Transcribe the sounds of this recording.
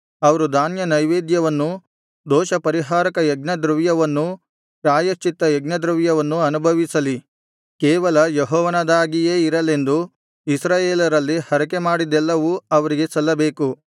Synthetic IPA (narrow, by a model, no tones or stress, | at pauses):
ɐʋɐɾud̪ʱaːnjɐnɐjʋeːd̪jɐʋɐnːu | d̪ɔːʃɐpɐɾiɦaːɾɐkɐjɐɡnɐd̪ɾuʋjɐʋɐnːu | pɾaːjɐʃt͡ʃit̪ːɐjɛɡnɐd̪ɾuʋjɐʋɐnːuɐnubʱɐʋisɐli | kɛːʋɐlɐjeɦɔːʋɐnɐd̪aːɡije̞ːiɾɐle̞nd̪u | isɾaːjeːlɐɾɐlːihɐɾɐkemaːɽid̪ɛlːɐʋuɐʋɐɾiɡe̞sɐlːɐbe̞ːku